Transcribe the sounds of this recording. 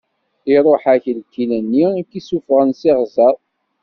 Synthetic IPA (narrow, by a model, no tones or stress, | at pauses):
iɾˤoħæçəlkːilænːiækːisufʁənsiʁzæˤ